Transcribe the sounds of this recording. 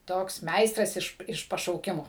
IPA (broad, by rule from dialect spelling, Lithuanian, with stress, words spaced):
ˈtoːks ˈmʲɛɪstrɐs ɪʃ ɪʃ pɐʃɐʊˈkʲɪmoː